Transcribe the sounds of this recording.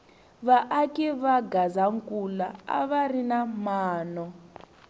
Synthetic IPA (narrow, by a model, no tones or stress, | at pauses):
βaʔːkɛβaɡazaŋkʼulaa̰βarinamaːnɔ